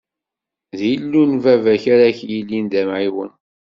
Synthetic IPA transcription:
ðjəlːunvævæçaɾaçjilːind̪æmʕiwə̰n

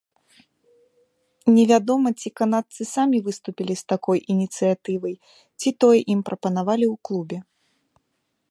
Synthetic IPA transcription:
nʲɛvʲad̪ɔmɐt͡sʲikanat̪sɨsamʲivɨst̪upʲilʲist̪akɔjʔinʲit̪sɨjat̪ɨvɐj | t͡sʲit̪ɔjɛʔimpɾɐpɐnavalʲiwklˠubʲɛ

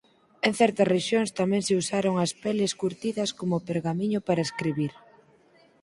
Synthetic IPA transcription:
eŋ̟θɛɾt̪ɐsreʃjoŋst̪amɛ̃ŋseusaɾoŋɐspɛleskuɾt̪iðɐskomopeɾɣamiɲʊpaɾɐeskɾiβiɾ

